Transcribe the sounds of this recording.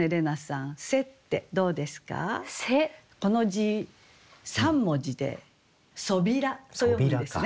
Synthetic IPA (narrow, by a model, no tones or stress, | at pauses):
eɾe̞nasãse̞t̪ːe̞d̪o̞ːd̪e̞sɨ̥ka̰seko̞no̞ʑi | sãmːo̞d͡ʑid̪e̞̰ | so̞bʲiɾat̪ojod̪esɨne